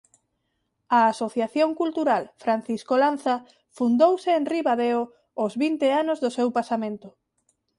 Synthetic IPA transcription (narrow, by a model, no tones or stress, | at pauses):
aːsoθjaθjoŋkult̪uɾalfɾan̟θiskolanθa | fund̪owsɪːnriβaðeo | ozβint̪eanʊzðʊsewpasamẽnt̪ʊ